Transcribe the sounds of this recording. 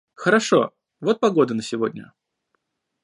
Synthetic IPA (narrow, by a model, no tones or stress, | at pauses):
xəɾɐʂo̞̰ | vo̞t̪̚pɐɡo̞d̪ənəsʲɪvodʲnʲə̰